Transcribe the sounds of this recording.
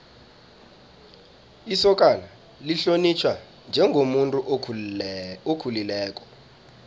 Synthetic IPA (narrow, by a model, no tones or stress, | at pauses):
isɔk̬ʼala | liɬonit͡ʃʰwa | nd͡ʒʱɛŋʱomuntʼuʔ | okʰulilɛːk̬ʼɔ̥